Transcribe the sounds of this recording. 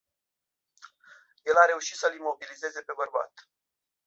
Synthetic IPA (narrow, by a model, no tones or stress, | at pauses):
je̞laɾe̞uʃi̥t̪səlimo̞bilize̞ze̞pe̞bərba̰t̪